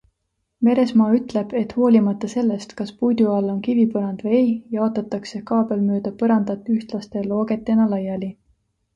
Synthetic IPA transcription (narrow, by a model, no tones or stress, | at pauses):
me̞ɾe̞smɑːyt̪ˑle̞b̥e̞t̪ːˑho̞ːlʲimɑt̪ˑːɑse̞lːe̞st̪kɑspujd̪uɑlːo̞nkivipɤɾɑnd̪̥vejejjɑoːt̪ːˑɑt̪ːˑɑkse̞kɑːbe̞lmøːd̪̥ɑpɤɾɑnd̪̥ɑt̪ːˑyht̪lɑst̪e̞lo̞ːɡe̞t̪ːˑe̞nɑlɑjɑli